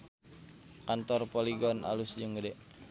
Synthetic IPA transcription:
kant̪ɔrpoliɡɔnʔa̰lusd͡ʒəŋɡədɛʔ

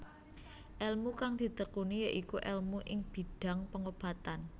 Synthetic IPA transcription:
ʔɛlmukaŋd̪̥i̤t̪əkunijaʔikuʔɛlmuʔɪŋb̥i̤ɖ̥a̤ŋpəŋob̥a̤t̪an

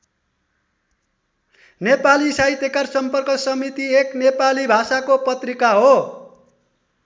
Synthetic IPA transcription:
nepalisajt̪ekarsʌmpʌrkʌsʌmit̪ieknepalibʱasakopʌt̪rikaɦo

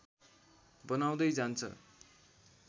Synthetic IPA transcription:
bʌnaw̃d̪ʌjd͡zant͡sʰʌ̰

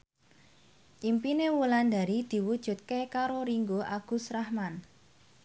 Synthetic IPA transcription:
ʔimpinewuland̪a̤ɾid̪̥i̤wud̥ʒ̥ʊ̤t̪̚kekaɾoɾiŋɡoʔaɡ̥ṳsrahman

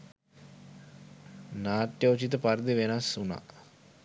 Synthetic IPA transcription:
naːt̪jəut͡ʃit̪əpaɾd̪iʋenasːuna̰

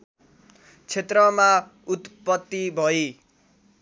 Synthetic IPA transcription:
t͡sʰet̪rʌma | ut̪pʌt̪ːibʱʌi

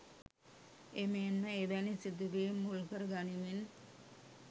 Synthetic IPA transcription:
emenːəeʋænisid̪uʋeːmːulkɐɾɡanimin

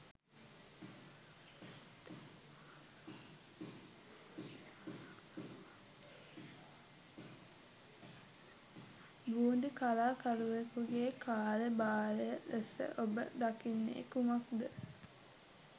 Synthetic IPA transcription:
buːnd̪ikalaːkaluʋekuɡeːkaːlebaːlejəʔesə̰ʔobə̰d̪akinːḛːkumakd̪ə

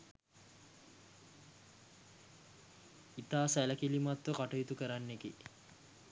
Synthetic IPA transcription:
it̪aːsælɐkilimat̪ʋəkaʈɐjut̪ukəɾanːeke

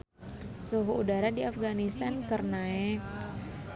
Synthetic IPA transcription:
suɦuudaɾadiafɡanist̪ankərnaɛk

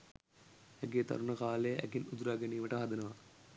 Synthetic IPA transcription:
æɡeːt̪a̰ɾunɐkaːlejəʔæ̰ɡinud̪uɾaːɡɐniːməʈəɦad̪ɐnəʋa

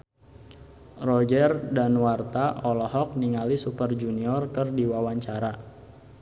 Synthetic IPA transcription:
rɔd͡ʒərdanwart̪aɔlɔhɔk̚niŋalisupərd͡ʒuniɔrkərdiwawaɲt͡ʃaɾa

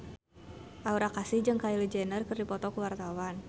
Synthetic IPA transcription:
ʔauɾakasihd͡ʒɨŋkailid͡ʒɛnərkɨrdipɔt̪ɔkuwart̪awan

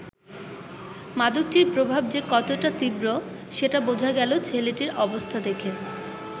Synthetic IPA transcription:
mad̪uk̚ʈiɾpɾobʱab̚d͡ʑekɔt̪oʈat̪ibɾo | ʃeʈabod͡ʑʱaɡɛlot͡ɕʰeleʈiɾʔɔbost̪ʰad̪ekʰe

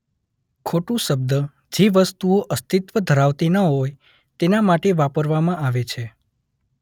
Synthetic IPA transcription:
kʰoʈũʃəb̚d̪ə | d͡ʒeʋəst̪uoʔəst̪it̪ʋəd̪ʱəɾaʋt̪inəɦoj | t̪enamaʈeʋapəɾʋamãʔaʋet͡ʃʰe

